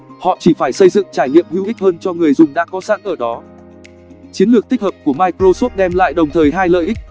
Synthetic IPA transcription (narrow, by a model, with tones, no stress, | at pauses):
hɔ̰˧˨t͡ɕi˧˩faː˧˩jsə˧jzɨ̰˧˨ŋt͡ɕaː˧˩jɲḭ˧˨əmhwḭ˧˥wʔi˦˥k̚həː˧nt͡ɕɔ˧ŋɨ˨˩əjzʊ˨˩ŋ͡mɗaː˧kɔ˨˦sa̰˧˥nʔəː˧˩ɗɔ˨˦ | t͡ɕi˨˦ənlɨ˨˩ək̚t̪ʰi˦˥k̚həː˨˩p̚ku˧˩əmaː˧jkɾo˧so˦˥p̚ɗɛ˧mla̰ː˧˨jɗə˨˩wŋ͡mt̪ʰəː˨˩jɦaː˧jlə̰ː˧˨jʔi˦˥k̚